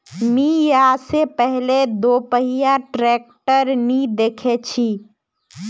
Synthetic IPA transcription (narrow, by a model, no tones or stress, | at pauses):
mijasepɛɦled̪oːpəɦijaʈɾeːk̚ʈəɾnid̪eːkʰet͡ʃʰi